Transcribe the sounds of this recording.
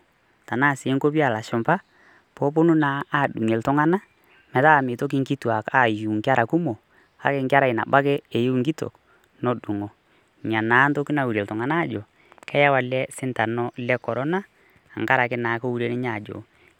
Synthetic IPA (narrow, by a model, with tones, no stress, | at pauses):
ta˨na˦˨sɪː˨˦ŋko˦p̬i˦a˨la˨ʃʊ˨mpa˦ | pɔ˦p̬o˦nu˦na˨˦a˦˨ɗu˨ŋe˨ltʊ˦ŋa˦na˦ | mɛ˨ta˦˨mɪ˨to˦k̬i˦ŋki˦twa˨ka˦˨ju˨ŋkɪ˦a˦ɾa˨ku˦mo˨ | ka̰˦kɪ˨ŋkɪ˦a˦ɾa˨ɪ˨na̰˨ba˦ke˦e˨je˦ŋɡi˦to̰˨k | nɔ˦ɗu˨ŋo˨ | ɲa˨naː˨˦nto˦ki˦na˨u˨ɾe˨tʊ˨ŋa˨na˦˨d͡ʒo˨ | kɛ˦ja˦wa˨lɛ˦sɪ˦nta˨nɔ˦lɛ˦kɔ˨ɾɔ˦naː˦˨ | ŋka˦ɾa˨kɪ˦naː˨˦ko˦u˦ɾe˦nɪ˦ɲa˦˨d͡ʒo̰˨